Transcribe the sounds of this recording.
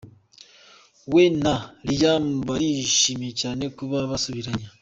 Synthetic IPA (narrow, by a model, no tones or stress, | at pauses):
wenalid͡ʒambaɾiʃimet͡ʃaːnekuβaβasuβiɾaɲa